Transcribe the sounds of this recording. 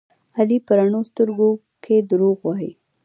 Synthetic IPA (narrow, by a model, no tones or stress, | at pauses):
alipəɾaɳost̪əɾɡo | kʰed̪əɾoɣwɑɦḭ